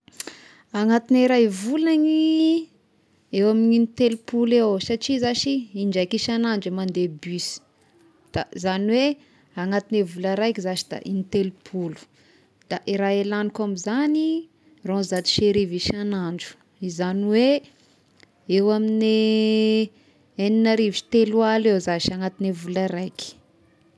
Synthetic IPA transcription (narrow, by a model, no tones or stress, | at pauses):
aŋat̪iniɾajvulani | ewamininit̪elupulewsaʈ͡ʂizaʃiiɳd͡ʒajkiʃanaɳd͡ʒemand̪ebysi̥ | d̪̥azaniwe | aŋat̪inevulaɾajkizat͡ʃi̥d̪̥a̰ʔinit̪elupʰulu̥ | d̪̥aʔiɾaelanikamizani | rɔ̃zat̪i̥ʃeɾiviʃanaɳɖ͡ʐu̥ | izaniwe | ewamine | eninaɾivi̥t̪elualewzaʃaŋat̪inevulaɾajkʲi̥